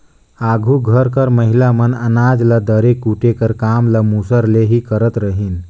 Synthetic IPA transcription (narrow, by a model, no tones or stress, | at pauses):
aɡʱuɡʱəɾkəɾməɦilamənənad͡zlad̪əɾekːuʈekəɾkamlamusəɾleɦiːkəɾət̪ɾəɦiːn